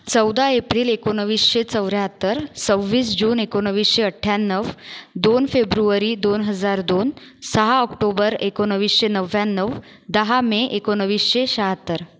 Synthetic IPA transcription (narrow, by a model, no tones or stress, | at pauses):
t͡səwd̪aepɾiːlekonəʋiːsɕet͡səwɾjaɦət̪ːəɾsəʋːiːsd͡ʑuːnekonəʋiːsɕeəʈʰːjanːəʋd̪onfebɾuəɾid̪onɦəd͡zaɾd̪on | səɦaɔkʈobəɾekonəʋiːsɕenəʋjanːəʋ | d̪əɦameʔekonəʋiːsɕeɕaɦət̪ːəɾ